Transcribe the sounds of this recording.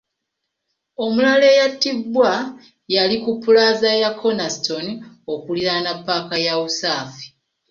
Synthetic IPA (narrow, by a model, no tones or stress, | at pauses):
o̞mulale̞jatːibːwa | jalikupːulazajakʰo̞nasito̞ni | o̞kuliɾanapːakajawusaːfi̥